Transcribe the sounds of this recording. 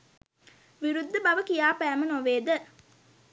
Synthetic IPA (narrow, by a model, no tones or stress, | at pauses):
ʋiɾud̪ːəbɐʋəkijaːpæːmənoʋeːd̪ə